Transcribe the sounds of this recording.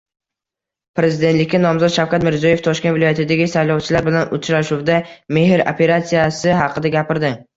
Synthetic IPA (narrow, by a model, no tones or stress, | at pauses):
pɾe̞zɪd̪et̪lɪkʲːanɒmzɒt̪ʃawkʰʲat̪mɪɾziɒje̞ft̪ʰɒʃkʲevɪlˠɒjat̪ʰɪd̪aɡʲɪsajlɒwt͡ʃʰɪlaɾbɪlanʔʊt͡ʃɾaʃʊwd̪ame̞ɦɪɾo̰pʰe̞ɾat̪sijasɪɦɑqʰɨd̪aɡʲapɪɾd̪ɪ